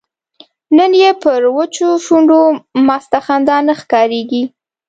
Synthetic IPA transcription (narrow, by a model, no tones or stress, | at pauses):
nənjepəɾwət͡ʃofuɳɖomɑst̪axand̪ɑnaxkɑɾeɡi